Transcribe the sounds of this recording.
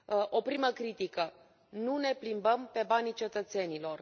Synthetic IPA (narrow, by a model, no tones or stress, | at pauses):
ʔo̞pɾiməkɾit̪ikə | nune̞plimbəmpe̞banit͡ʃe̞t̪ət̪se̞nilo̞r